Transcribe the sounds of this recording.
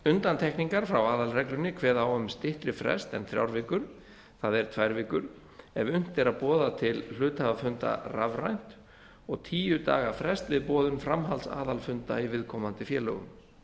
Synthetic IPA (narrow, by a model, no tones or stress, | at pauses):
ʏnt̪ant̪ʰɛhkniŋkaɾ̥fɾawaːðalrɛklʏnːɪkʰvɛːðaawœmst̪ɪht̪ɾɪfɾɛ̰st̪ɛnθɾja̰wɾvɪːkʏɾ̥ | θaðɛɾ̥t̪ʰvajɾvɪːkʏɾ̥ | ɛvʏn̥t̪ɛɾaðpɔːðat̪ʰɪll̥ʏːt̪havafʏnt̪a̰ravrajn̥t̪ | ɔɣt̪ʰiːjʏt̪a̰ːɣafɾɛst̪vɪðpɔːðʏnfɾamɦalsa̰ːðalfʏnt̪aivɪðkʰɔmant̪ɪfjɛːlœɣʏ̰m